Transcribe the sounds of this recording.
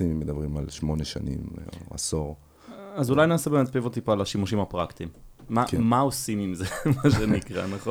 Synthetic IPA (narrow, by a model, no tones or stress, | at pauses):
imimːed̪abʁimalʃmo̞neʃa̰nḭma̰soʁ | azulajnaːsebemet̪̚pevot̪ipoalaʃimuʃimapʁakt̪imːakmaosimimzemaʃenikʁa̰naχon